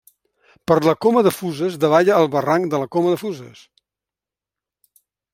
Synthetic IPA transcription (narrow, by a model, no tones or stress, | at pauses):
pəɾləkoməðəfuzəzd̪əβaʎəːlˠβəraŋd̪ələkoməðəfuzəs